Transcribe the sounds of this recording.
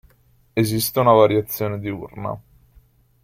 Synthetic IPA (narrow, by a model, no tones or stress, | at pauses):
ezist̪eunavaɾjat̪sːjoːned̪iṵrna̰